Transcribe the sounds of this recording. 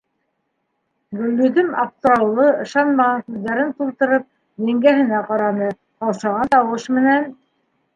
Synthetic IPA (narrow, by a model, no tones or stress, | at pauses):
ɡɵ̆lːɵd̪ɘmɑ̰p̚t̪ŏɾɑwlˠɤɤ̆ʃɑnmɑʁɑŋkʉððæɾɘnt̪ulˠt̪ɤ̆ɾɤp̚ | j̪æŋɡæɦɘ̆næqɑɾɑnɤ | ɑwʃɑʁɑnt̪ɑwɤʃmɘ̆næn